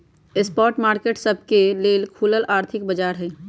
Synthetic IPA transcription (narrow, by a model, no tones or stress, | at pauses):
ɪspɔːɾʈmaːɾkeːʈsəb̚ʱkeleːlkʰuːləlʔaːɾt̪ʰɪkbəd͡ʒaːɾɦɛː